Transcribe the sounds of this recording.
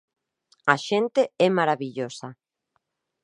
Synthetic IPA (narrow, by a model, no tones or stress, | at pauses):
aʃent̪eɛmaɾaβiʎosa